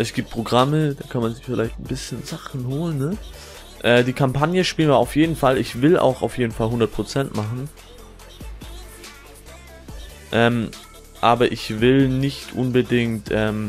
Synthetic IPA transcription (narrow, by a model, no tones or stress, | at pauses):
ʔɛsɡ̥iːp̚t̚pʁ̥oɡʁaməd̥aːkʰanmanzɪçfɪlaɪçtn̩bɪsçənzaχn̩hoːlənːə | ʔɛːdiːkʰampʰanjəʃpiːlənviːɐʔaʊfjeːdn̩falɪçv̥ɪlʔa̰ʊxa̰ʊfjeːdn̩falɦʊndɐt̚pʁ̥ot͡sɛntmaχn̩ | ʔɛːm | ʔaːbɐʔɪçvɪlnɪçtʔʊnbədɪŋtʔɛːm